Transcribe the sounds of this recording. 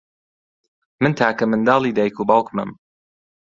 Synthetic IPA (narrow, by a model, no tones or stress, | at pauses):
mɨnt̪ʰaːkɐmɨnd̪ɑːlˠiːd̪ajkubɑwkmɨ̰m